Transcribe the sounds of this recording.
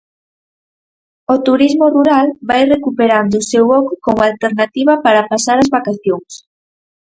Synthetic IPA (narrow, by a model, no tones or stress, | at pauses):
ot̪uɾizmoruɾalβajrekupeɾand̪ʊsewɔkʊkoŋalt̪eɾnat̪iβɐpaɾapasaɾazβakaθjoŋs